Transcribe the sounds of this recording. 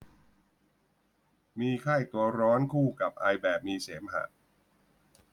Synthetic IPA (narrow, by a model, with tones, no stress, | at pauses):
miː˧kʰaː˥˩jt̪u˧ɐɾɔː˦˥nkʰuː˥˩ka˨˩p̚ʔaː˧jbɛː˨˩p̚miː˧seː˩˦mɦa̰˨˩t̪̚